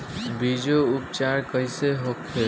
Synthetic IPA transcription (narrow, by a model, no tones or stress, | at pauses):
bid͡ʒoupt͡ʃaɾkəjseɦokʰe